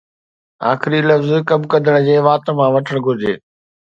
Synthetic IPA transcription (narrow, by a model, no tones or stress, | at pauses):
a̰ːxɪɾilɐfzkɐbkɐd̪ʱəɽ̃̆d͡ʑeːʋaːt̪mãːʋɐʈʰəɽ̃ɡʱʊɾɪd͡ʑḛː